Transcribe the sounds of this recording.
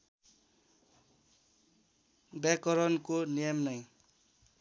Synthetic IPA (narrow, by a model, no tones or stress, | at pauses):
bjakʌɾʌnkonijʌmnʌj